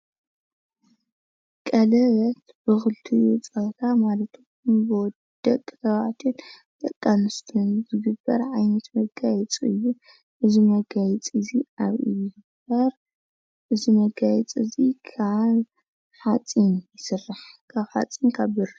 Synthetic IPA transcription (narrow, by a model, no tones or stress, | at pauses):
kʼɐlɐβɐt̪bɨxɨlt̪ʰɨjut͡sʼɐt̪ʰamalɐt̪ʰɡunbɨwɔd̪̥ːɐkʼːɐβa̰t̪ʰɨn | t̪ʼɐkʼːanɨst̪ʰunzɨɡɨbːɐ̰ɾʕajnɐt̪mɐɡajɛt͡sʼɨjːu | ʔɨzimɐɡajt͡sʼɨziʔaβḭjɡɨbɐɾ | ʔɨzimɐɡajɛt͡sʼɨzikʰaβ | ħat͡sʼinjɪsɨrːaħkʰaβħa̰t͡sʼinkʰaβbɨɾ